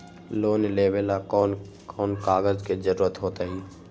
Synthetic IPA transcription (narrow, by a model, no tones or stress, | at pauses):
loːnleːbelakɔːn | kɔːnkaːɡəzked͡ʒəɾuːɾət̪ɦoːt̪aːɦiː